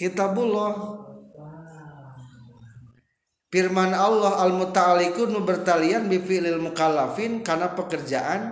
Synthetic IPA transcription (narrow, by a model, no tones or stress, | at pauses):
kit̪abulɔh | firmanalːɔɦalmut̪aːlikunubərt̪alianbifilɪlmukalafɪnkarnapəkərd͡ʒaʔan